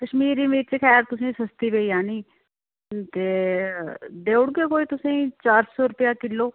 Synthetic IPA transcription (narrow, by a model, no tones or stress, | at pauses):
kəʃmiːɾiːmiːɾt͡ʃekʰɛːɾt̪ʊsĩːsəst̪iːbeijãːnĩː | t̪eː | d̪eːʊɽɡeːkoːiːt̪ʊsĩːt͡ʃaːɾsɔːɾʊpjaːkɪlːoː